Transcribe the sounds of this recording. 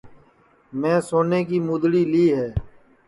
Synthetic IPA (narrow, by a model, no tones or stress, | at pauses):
mɛ̃ːsoːneːkiːmuːd̪ɽiːliːɦɛː